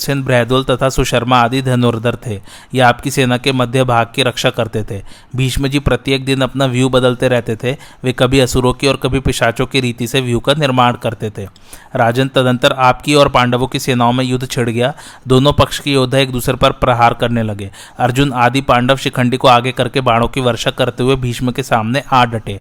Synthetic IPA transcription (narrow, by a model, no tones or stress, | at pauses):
sɪnbɾɛːd̪oːlt̪ɐt̪ʰasʊʃɐɾmaaːd̪id̪ʱɐnoːɾd̪ʱəɾt̪ʰeː | jeaːp̚kiseːnakemɐd̪ʱjəbʱaːɡ̚kiɾɐkʃakɐɾt̪et̪ʰeː | bʱiːʃməd͡ʒipɾɐt̪jeːk̚d̪ɪnɐpnaʋjubɐd̪əlt̪eɾɛɦt̪et̪ʰeʋekɐbʱiɐsuɾõkiɔːɾkɐbʱipɪʃaːt͡ʃõkiɾiːt̪iseʋjukanɪɾmaːɽ̃kɐɾt̪et̪ʰeː | ɾaːd͡ʒənt̪ɐd̪ə̃nt̪əɾaːpkiɔːɾpãːɳɖəʋõkiseːnaõmẽjʊd̪ʱːt͡ʃʰɪɽ̤ɡɐjaːd̪oːnõpɐkʃkijoːd̪ʱːaeːk̚d̪uːsɾepɐɾpɾɐɦaːɾkɐɾnelɐɡeː | ɐɾd͡ʒʊnaːd̪ipãːɳɖəʋʃɪkʰə̃ɳɖikoaːɡekɐɾkebaːɽ̃õkiʋɐɾʃakɐɾt̪eɦʊebʱiːʃməkesaːmneʔaːɖɐʈeː